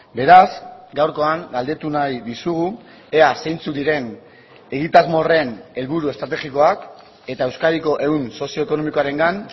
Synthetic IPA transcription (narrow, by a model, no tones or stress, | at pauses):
be̞ɾazɡawɾko̞aŋɡald̪e̞t̪unajðisuɣu | e̞ase̞jnt͡sukd̪iɾe̞n | e̞ɣit̪azmo̞re̞ne̞lβuɾue̞st̪ɾat̪e̞xiko̞ak | e̞t̪ae̞wskaɾiko̞ʔe̞unso̞sio̞eko̞no̞miko̞aɾe̞ŋɡan